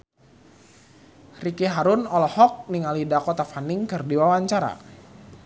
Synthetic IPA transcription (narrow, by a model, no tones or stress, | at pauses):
rikiɦaɾʊnɔlɔhɔk̚niŋalidakɔt̪afaniŋkɨrdiwawaɲt͡ʃaɾa̰